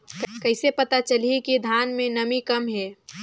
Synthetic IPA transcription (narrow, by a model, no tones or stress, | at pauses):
kɐɪsepɐt̪at͡ʃəlikid̪ʱaːnmẽnəmikɐmɦɛː